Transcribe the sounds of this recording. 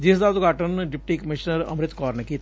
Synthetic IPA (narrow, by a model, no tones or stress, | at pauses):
d͡ʒɪsd̪aʊt̪ɡʱaːʈənɖɪp̚ʈiːkəmɪʃnəɾɐ̰mɾɪt̪kɔːɾnekiːt̪